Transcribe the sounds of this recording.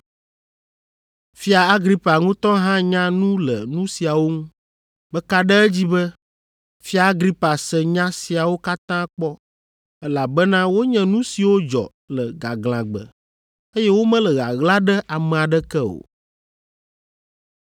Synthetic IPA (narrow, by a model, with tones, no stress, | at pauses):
fi˦a˨a˦ɡɾi˦pa˨ŋũ˦t̪ɔ̃˦ɦã˦ɲã˦nũ˦lə˨nũ˦si˨a˨wo˦ŋũ˦ | bɛ˦ka˦ɖɛ˦ɛ˦d͡ʑi˦bɛ˦ | fi˦a˨a˦ɡɾi˦pa˨sɛ˨ɲã˦si˨a˨wo˦ka˦t̪ã˦k͡pɔ˦ | ɛ˦la˨bɛ˦nã˦wo˦ɲɛ̃˦nũ˦si˨wo˦d͡ʒɔ̰˨ | lə˨ɡa˨ɡl̃ã̰˨ɡ͡bə̰˨ | e˦jɛ˦wo˦mɛ̃˦lɛ˨ɣa̰˨ɣla˦ɖɛ˦ʔa˨mɛ̃˨a˨ɖɛ˦kɛ˦o̰˨